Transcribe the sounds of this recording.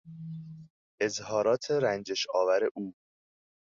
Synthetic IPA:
ʔe̞zhɒːɾɒːt̪ʰeɾænd͡ʒeʃɒːvæɾe̞ʔuː

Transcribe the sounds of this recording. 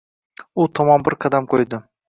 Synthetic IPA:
ʊt̪ʰɒmɒnbɪɾqʰɑd̪amqʰojd̪ɪ

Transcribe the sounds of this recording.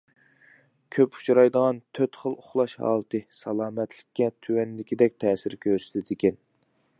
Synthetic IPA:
kʲʰøpu̥t͡ʃʰɑɾɑjd̪əʁɑnt̪ʰøt̪χəlˠoχlˠɑʃhɑ̰ːlˠɨt̪ʰɨsɑlˠɑːmɛt̪ʰlɪkʲːɛt̪ʰywɛnlɪkʲid̪ɛk̚ʲt̪ʰɛːsɪɾkʲʰøɾsɪd̪ɪd̪ɪkʲɛn

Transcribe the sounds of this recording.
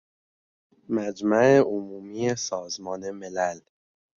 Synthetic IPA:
mæd͡ʒmæeomuːmiːjesɒːzmɒːnemelæl

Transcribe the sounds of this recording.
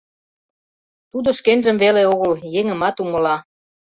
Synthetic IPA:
t̪ud̪ŏʃkenʒə̆mβeleoɣəljeŋə̆mɑt̪umə̆lɑ

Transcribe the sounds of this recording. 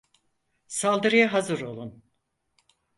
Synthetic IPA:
salˠd̪ɯɾɯjaɦazɯɾo̞lˠun

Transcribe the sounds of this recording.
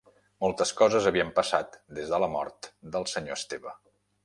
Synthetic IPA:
molˠt̪əskɔzəzəβiəmpəsat̪d̪ezðələmɔ̰ɾt̪d̪əlˠsəɲoəst̪eβə

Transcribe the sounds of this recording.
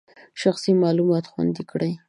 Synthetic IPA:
ʃaxsimɑlumɑt̪xwa̰nd̪ikɽəj

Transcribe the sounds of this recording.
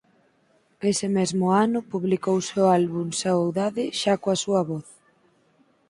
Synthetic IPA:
esɪmezmʊanʊpuβlikowsealβuŋsaowðaðɪʃakoɐsuɐβɔθ

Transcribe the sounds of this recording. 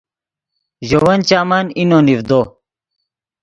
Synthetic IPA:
ʑowɐnt͡ɕaːmɐninonivd̪o

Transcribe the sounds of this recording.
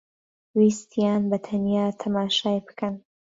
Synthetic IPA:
wiːst̪ʰjaːnbɐt̪ʰɐnjaːt̪ʰɐmaːʃaːjbɨ̥kɐn

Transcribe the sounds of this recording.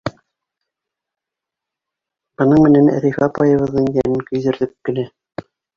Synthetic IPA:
b̥ɤ̆nɤɴmɘ̆nænæ̰ɾʲifɑpɑjɤ̆βɤ̆ðːɤɴjænɘŋkɵ̆jðɘ̆ɾðɘp̚kɘ̆læ

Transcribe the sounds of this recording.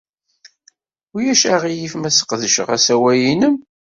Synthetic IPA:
ʊjæʃæʁijifmæsə̥qðəʃə̰ʁæsæwæjinəm

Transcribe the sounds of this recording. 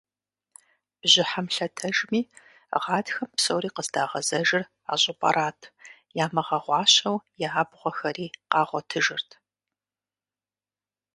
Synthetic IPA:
b̥ʑɪħamɬɐtʰɐʒmiː | ʁɑːdxɐmpsɐwɾiːqəzdaːʁɐzɐʒɪr | a̰ːɕʼɪpʼɐ̰ɾʔaːtʰ | jaːmɐʁɐʁʷɑːɕɐwjaaːbʁʷɔxɐɾiːqɑːʁʷɔtʰɨʒɨrtʰ

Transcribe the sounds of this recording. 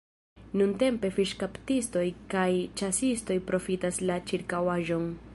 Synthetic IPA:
nunte̞mpe̞fiʃkaptisto̞jkajt͡ʃasisto̞jpɾo̞fitaslat͡ʃiɾkawaʒo̞n

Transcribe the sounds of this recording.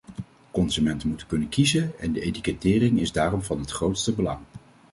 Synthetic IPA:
kɔnzymɛntəmutəkɵnənkizənɛndəejtikətɪːrɪŋɪzdaːrɔmvɑnɦətχrowtstəbəlɑŋ

